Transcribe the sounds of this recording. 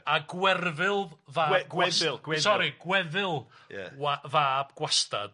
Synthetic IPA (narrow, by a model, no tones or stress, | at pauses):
aɡwɛrvɪlˠvaːwaɪlˠɡwɛsɔɾiɡwɛðɪlˠja̰wavaːb̥ɡ̥wasta̰d̥